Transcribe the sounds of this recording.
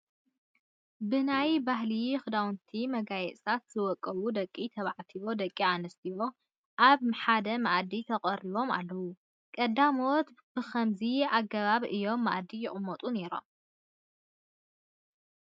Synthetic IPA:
bɨnajbaɦlixɨd̪awnt̪ʰimɐɡajɛt͡sʼt̪ʰat̪z̥ɨwɔkʼːɐβud̪ɐkʼːit̪ʰɐβaʕt̪ʰiβo̞d̪ɐkʼːianɐst̪ʰijo̞ | ʔaβħad̪ɐmaʔd̪it̪ʰɐkʼɐɾiβo̞ma̰lːɐwu | kʼɐd̪ːamot̪ | b̥ɨxɐmziaɡɐβaβɨjːo̞mːa̰ʔd̪ijɪχʼɨmːɔt̪ʼune̞ɾo̞̰m

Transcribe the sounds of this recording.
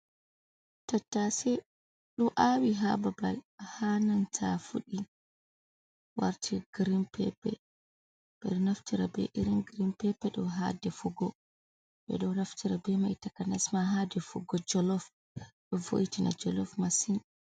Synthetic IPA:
tatːasɛ | ɗuʔawiɦababalhanantʰafuɗi | wa̰ɾtʰiɡ̥ɾimpʰɛpɛ̰ | ɓ̥ɛ̰ɗɔnaftiɾabɛ̰ʔiɾinɡɾimpɛpɛɗɔɦa̰dɛfuɡɔ | ɓɛ̰ɗɔwnaftiɾabɛmajtakanasmaɦadɛfuɡɔd͡ʒɔlɔf | bɛvo̰jtinʔa̰d͡ʒɔlɔfmasin

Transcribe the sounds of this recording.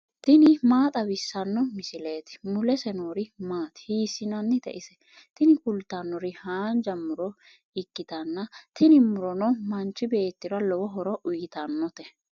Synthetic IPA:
t̪ɪnɪmaːt̪ʼɐbɪsːɐnːɔmɪsɪleːt̪ɪ̥mʊlɛsɛnoːɾɪmaːt̪ɪ̥hiːsːɪnɐnːɪt̪ɛ̰ʔɪsɛ | t̪ɪnɪkʊlt̪ːɐnːɔɾɪhaːnd͡ʒɐmːʊɾɔ | ɪkːɪt̪ɐnːɐt̪ɪnɪmʊɾɔnɔmɐnt͡ʃːɪbe̞ːt̪ːɪɾɐlɔwɔɦɔɾɔʔʊjɪt̪ɐnːɔt̪ɛ

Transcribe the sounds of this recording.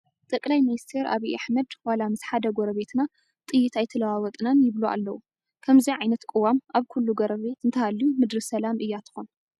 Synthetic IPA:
t̪ʼɐkʼlajminist̪ʰe̞ɾa̰βiʔaħmɐd̪walamɨsħad̪ɐɡoɾɐβe̞t̪ʰna | t̪ʼɨjːɪt̪ajt̪ʰɐlɐwawɔt̪ʼnanjɪβluʔa̰lːɐwu | kʰɐmziʕajnɐt̪kʼɨwamʔaβkʰulːuɡoɾɐβe̞t̪ɨnt̪ʰɐhalːijumɨd̪ɾisɐlamʔɨjːat̪ʰɨ̥xon

